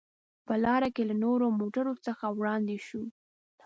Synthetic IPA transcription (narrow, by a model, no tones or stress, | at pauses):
pəlɑɾakelanoɾomoʈaɾot͡səxawɽɑnd̪eʃu